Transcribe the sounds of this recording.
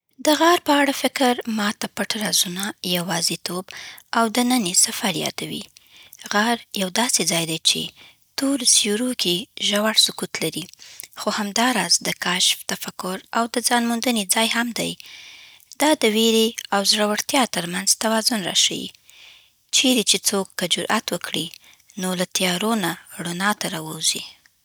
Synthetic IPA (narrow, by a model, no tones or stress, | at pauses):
d̪əɣaɾpəaɽafɪkəɾmɑt̪apəʈaɾɑzunajawɑzit̪obawd̪ənənesafaɾjɑ̰d̪̥awḭɣaɾjawd̪ɑsed͡zɑjd̪ajt͡ʃḛ | t̪oɾsjuɾokeʒawaɽsʊkut̪laɾixohamd̪ɑɾɑzd̪əkaʃft̪afakʊɾawd̪əzɑnmund̪əned͡zɑjhamd̪a̰j | d̪̥ɑd̪əweɾeawzɾawəɽt̪jɑt̪əɾmanzt̪awɑzʊnɾa̰ʃa̰wḭ | t͡ʃeɾet͡ʃet͡sokːad͡ʒʊɾʔa̰t̪wəkʰɽi | nolat̪jɑɾonaɽʊnɑt̪aɾɑwəwzi